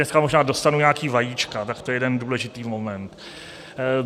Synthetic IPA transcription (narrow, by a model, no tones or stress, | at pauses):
ɛskamo̞ʒnaːdo̞st̪anuɲaːkiːvajiːt͡ʃkat̪akt̪oɛjɛdɛnduːlɛʒɪt̪iːmo̞mɛnt̪